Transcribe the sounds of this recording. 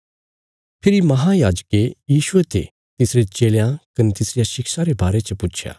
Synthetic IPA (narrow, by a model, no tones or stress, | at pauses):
pʰɪɾimɐɦãjaːd͡ʒkejiːʃʊet̪ʰḛ | t̪ɪsɾet͡ʃeːljãkɐnet̪ɪsɾɪjaʃɪkʃaɾebaːɾet͡ʃɐpʊt͡ʃʰja̰ː